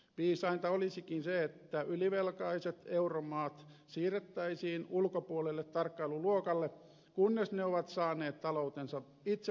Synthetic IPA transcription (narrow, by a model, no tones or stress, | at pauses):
piːsɑint̪ɑolisikinseet̪ːæyliʋelkɑiset̪euromɑːt̪siːret̪ːæisiːnulkopuolelːet̪tɑrkːɑiluluokɑlːe | kunːesneoʋɑt̪sɑːneːt̪t̪ɑlout̪ensɑ | it̪se